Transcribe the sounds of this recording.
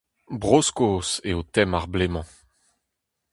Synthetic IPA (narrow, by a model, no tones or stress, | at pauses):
bʁoskoːseot̪ɛmaʁblemɑ̃